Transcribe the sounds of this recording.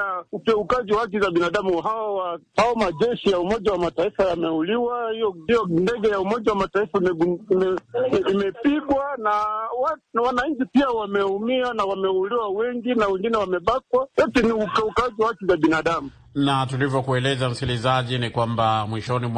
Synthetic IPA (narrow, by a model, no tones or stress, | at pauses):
aukɛukaʄiwahak̬izaɓinaɗamuɦawawahaɔmaʄɛʃijaumɔʄawamataifajamɛuliwahijɔijɔndɛɡɛjaumɔʄawamataifamɛuimɛimɛpiɡwanawanwanaɲ̩t͡ʃipiawamɛumianawamɛuliwawɛŋɡinawɛŋɡinɛwamɛɓak̚wajɔtɛniukɛukaʄiwahakizaɓinaɗamu | natulivjɔkuɛlɛzam̩skilizaʄinikwambamwiʃɔnim